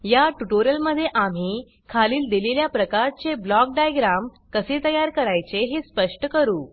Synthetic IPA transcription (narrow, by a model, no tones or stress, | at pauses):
jaʈuʈoɾijəlməd̪ʱːjeʔam̤iː | kʰaliːld̪ileljapɾəkaɾt͡seblɔk̚ɖajɡɾam | kəset̪əjaɾkəɾajt͡seɦespəʂʈəkəɾuː